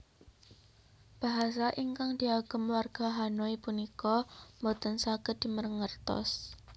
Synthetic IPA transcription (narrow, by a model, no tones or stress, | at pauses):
b̥a̤ɦas̬aʔiŋkaŋd̪̥iaɡ̥ə̤mwarɡ̥aɦanoipunikɔmbot̪ənsaɡ̥əd̪̥i̤mərŋərt̪ɔ̰s